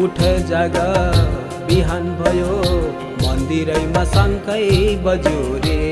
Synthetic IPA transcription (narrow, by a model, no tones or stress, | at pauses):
uʈʰʌjd͡zaɡʌ | biɦanbʱʌjo | mʌnd̪iɾʌjmasʌŋkʌjbʌd͡zoɾe